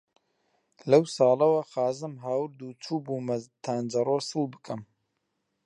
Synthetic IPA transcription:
lɐwsɑːlɐwɐxaːzɨmɦaːwɨɾd̪uːt͡ʃʰuːbuːmɐt̪ʰaːnd͡ʒɐroːsɨlˠbɨkʰɐm

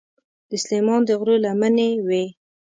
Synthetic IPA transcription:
d̪əslemɑnd̪əɣɾolamənewe

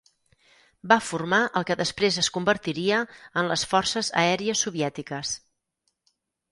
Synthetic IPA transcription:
bafurmaʔəlˠkəðəspɾezəskumbəɾt̪iɾiəənləsfɔrsəzə̰ɛɾiəsuβiɛt̪ikəs

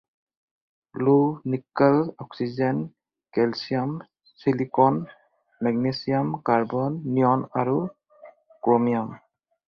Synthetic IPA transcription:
lunikalɔk̚sid͡ʒen | kɛlsijam | silikɔn | mɛɡ̚nesijamkaɾbɔnːijɔnaɾu | komijam

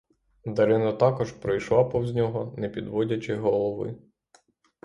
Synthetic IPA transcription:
d̪ɐɾɪnɐt̪ɑkɔʒpɾɔjʃlˠɑpɔwzʲnʲɔɦɔnɛpʲid̪ʋɔdʲɐt͡ʃɪɦɔlˠɔʋɪ̰

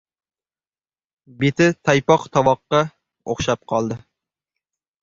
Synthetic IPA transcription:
bet̪ʰɪt̪ʰɑjpɑqt̪ʰɑwɑqːɑ | o̰χʃɑp̚qʰɑlˠd̪ɨ

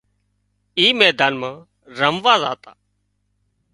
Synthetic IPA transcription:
iːmɛːd̪aːnmãː | ɾəmʋaːza̰ːt̪a̰ː

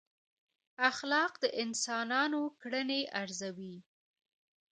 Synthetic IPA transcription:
axlɑqd̪əʔɪnsɑnɑnokɽəneʔaɾzawi

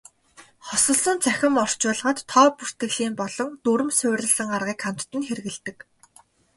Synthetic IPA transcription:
χɔsɞ̆ɮsɞ̆nt͡sʰæxʲɪ̆mɔr̥t͡ɕʊːɮʁə̆t̪ʰːɔːpur̥t̪ɘ̆ɣɮiːmpɔɮɞ̆ŋt̪uɾɵ̆msʊːrʲə̆ɮsə̆ŋarʁiːkχam̥t̪t̪ɘ̆nxeɾɣɘ̆ɮt̪ɘ̆k

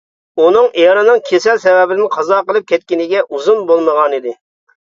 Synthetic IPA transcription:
unɨŋʔejɾɨnɨŋkʲʰesɛlsɛwɛbɪd̪ɪnqʰɑzɑqəlˠɨp̚kʲʰɛt̪̚kʲinɪɡʲɛʔuzunbolˠməʁɑnid̪ɪ

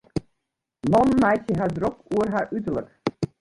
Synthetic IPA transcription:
nɔnmajsjəɦadrɔkuərɦaʔytələk

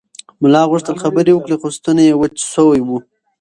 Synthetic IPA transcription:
mʊlɑɣʊʂt̪əlxabəɾewəkɽexost̪ənajewət͡ʃsowajwu

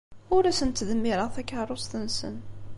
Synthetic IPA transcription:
ʊɾæsənt̪ːðəmːiɾˤəθækːaɾˤost̪ənsə̰n

